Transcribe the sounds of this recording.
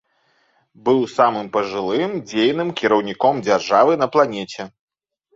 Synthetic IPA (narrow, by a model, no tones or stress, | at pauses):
bɨwsamɨmpɐʐɨlˠɨmd͡zʲejnɨmkʲiɾɐwnʲikɔmd͡zʲarʐavɨnɐplˠanʲɛt͡sʲɛ